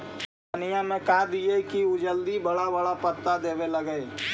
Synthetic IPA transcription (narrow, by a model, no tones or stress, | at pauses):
ɐnijãmẽkaːd̪iekiud͡ʒəld̪ibɐɽabɐɽapət̪ːad̪eːʋelɐɡəe